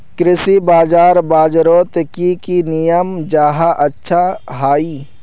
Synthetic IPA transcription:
kɾɪsibaːd͡ʒaːɾbaːd͡ʒɾoːt̪kikinijəmd͡ʒaːɦaʔɐtːʃʰaɦaːiː

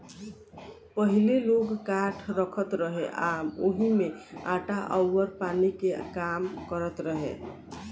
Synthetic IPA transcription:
pəɦileloɡkaʈʰɾəkʰət̪ɾəɦeʔaoɦimeaʈaʔəwːəɾpanikekamkəɾət̪ɾəɦḛ

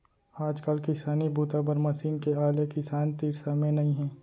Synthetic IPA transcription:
aːd͡ʒkəlkɪsaːnibʱuːt̪abəɾmɐsiːnkeaːlekɪsaːnt̪iːɾsamẽnɐĩɦɛ̃ː

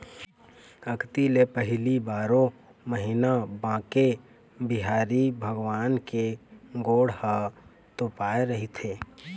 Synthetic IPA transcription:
əkt̪ilepəɦlibaːɾõ | məɦinabãːke | bɪɦaːɾibʱəɡwaːnkeɡoːɽha | t̪opaːeɾəɦit̪ʰeː

